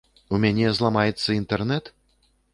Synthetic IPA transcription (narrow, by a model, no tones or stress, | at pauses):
umʲanʲɛzlˠamajɛt̪sːɐint̪ɛrnɛt̪